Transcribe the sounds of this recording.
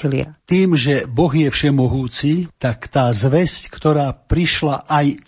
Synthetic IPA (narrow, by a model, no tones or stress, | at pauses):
ilɪa̰t̪iːmʒɛbɔɣjɛfʃɛmɔɦuːt͡sit̪akt̪aːzʋɛsckt̪ɔɾaːpɾiʃlaʔaj